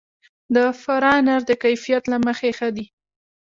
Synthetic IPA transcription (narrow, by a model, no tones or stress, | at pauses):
d̪əfaɾɑnaɾd̪əkajfijat̪laməxexad̪i